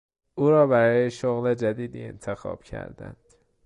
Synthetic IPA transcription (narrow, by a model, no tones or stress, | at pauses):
ʔuːɾɒːbæɾɒːjeʃoɣled͡ʒæd̪iːd̪iːḛnt̪ʰexɒ̰ːb̥cʰæ̰ɾd̪æ̰nd̪̥